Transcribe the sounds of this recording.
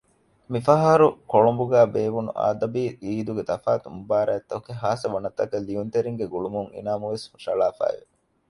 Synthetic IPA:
mifɐɦɐɾukoɭombuɡæːbeːʋunṵʔa̰ːd̪ɐbiːiːd̪uɡet̪ɐfaːt̪umbaːɾæːt̪ːɐukeɦaːsɐʋɐnɐt̪ːɐkɐlːiunt̪eɾiŋɡeɡuɭumuŋḭnaːmuʋesmuʃɐ̰laːfæ̰ːʋe

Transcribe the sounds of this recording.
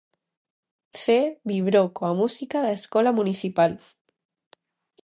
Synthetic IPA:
θeβiβɾokoamusikaðaeskɔlamuniθipal

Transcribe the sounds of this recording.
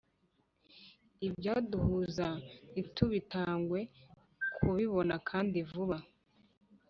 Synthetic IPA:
ibjaːduhuzaituβitaːŋɡwe̞ | kʰuβiβo̞nakʰaːndivuβa

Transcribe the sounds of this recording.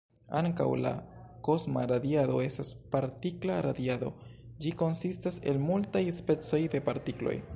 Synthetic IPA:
aŋka̰wla̰ko̞zmaɾadiado̞e̞staspaɾtiklaɾadiado̞̰d͡ʒiko̞nsistase̞̰lmultajspe̞t͡so̞jde̞paɾtiklo̞̰j

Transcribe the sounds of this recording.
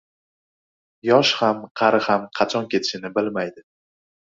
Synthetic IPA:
jɒʃhamqʰɑɾɪhamqʰɑt͡ʃʰɒnkʲʰe̞t̪ʰɪ̥ʃɪnɪbɪlmajd̪ɪ

